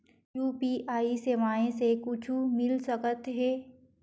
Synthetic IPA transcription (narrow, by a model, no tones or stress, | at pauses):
juːpiːʔaːiseʋaːẽsekʊt͡ʃʰumɪlsɐkət̪ɦɛː